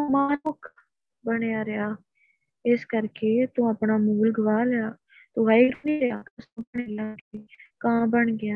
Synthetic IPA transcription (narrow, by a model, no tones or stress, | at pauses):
maːnoːkʰ | bəɽeaːɾɪjaː | ɪskəɾkeːt̪ũːəpɳaːmuːlɡəʋaːleaː | t̪õːʋaːiɡɾuːniːɾeaːkʊsõːbəɳeːɡɪãːkːkãːbəɳɡɪjãː